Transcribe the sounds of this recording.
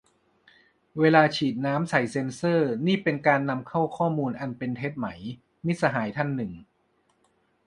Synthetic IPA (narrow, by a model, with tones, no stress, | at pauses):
weː˧laː˧t͡ɕʰiː˨˩t̪̚naː˦˥msa˨˩˦jse˧nsɤː˥˩niː˥˩pe˧nkaː˧nːa˧mkʰa˥˩wkʰɔː˥˩muː˧nʔa˧npe˧nt̪ʰe˦˥p̪̚ma˩˦j | mi˦˥t̪̚sa˧ɦaː˩˦jt̪ʰa˥˩nːɯ˨˩ŋ